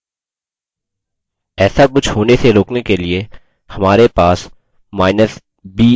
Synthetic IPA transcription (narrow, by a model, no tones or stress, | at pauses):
ɛːsakʊt͡ʃʰɦoːneseɾoːknekelie | hɐmaːɾepaːs | maːɪnəs | biː